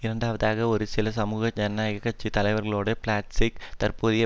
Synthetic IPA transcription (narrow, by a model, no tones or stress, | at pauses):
ɪɾɐɳɖaːʋɐðaːɣɐɔɾɯsɪlɐs̬ɐmuːɣɐd͡ʒɛnːaːjɐɣɐkːɐt͡ʃːit̪ɐlɐɪʋɐɾɣɐɭoːɽeplaːʈsikt̪ɐrpuːðɪjɐ